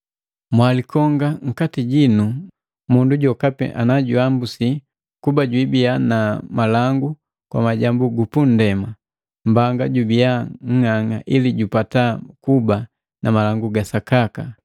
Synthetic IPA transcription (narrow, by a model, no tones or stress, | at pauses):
mwalikɔŋɡaŋ̩katiɟinu | munduɟɔkapɛ̰ʔa̰naɟuambusi | kubaɟwibianamalaŋɡu | kwa̰maɟambuɡupun̩dɛma | mbaŋɡaɟubiaŋ̩haŋa̰ʔiliɟupatakuba | nʔamalaŋɡuɡasakaka